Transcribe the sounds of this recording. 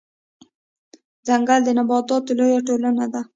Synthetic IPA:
d͡zaŋɡald̪ənabɑt̪ɑt̪lojaʈolanad̪a

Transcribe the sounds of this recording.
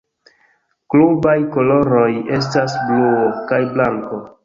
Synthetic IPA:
klubajkoloɾojes̬tasbluokajblaŋko

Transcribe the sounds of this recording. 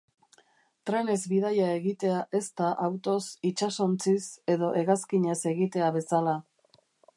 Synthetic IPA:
t̪ɾe̞ne̞zβið̞ajae̞ɣit̪e̞aʔe̞st̪aʔawt̪o̞sit͡ʃaso̞nt͡sise̞ðo̞ʔe̞ɣaskiɲe̞se̞ɣit̪e̞aβ̞e̞sala

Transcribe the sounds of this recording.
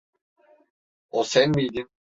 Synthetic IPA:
osænmijd̪ʲin

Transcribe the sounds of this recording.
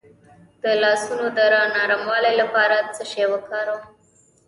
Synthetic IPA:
d̪̥əlɑsunod̪əɾɑnɑɾamwɑlelapɑɾat͡səʃewəkɑɾo

